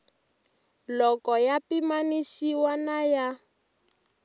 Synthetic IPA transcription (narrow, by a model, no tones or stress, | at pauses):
lɔkɔjapimanisiwanaja